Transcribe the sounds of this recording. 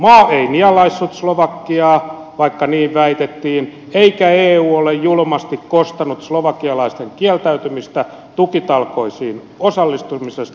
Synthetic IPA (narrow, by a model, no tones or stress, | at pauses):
mɑːeiniɑlɑisːut̪sloʋɑkːiɑː | ʋɑikːɑniːʋʋæit̪et̪ːiːn | eikæeːuːolejjulmɑst̪ikkost̪ɑnut̪sloʋɑkːiɑlɑist̪eŋkiælt̪æyt̪ymist̪æ | t̪ukit̪ɑlkoisiːn | osɑlːist̪umisest̪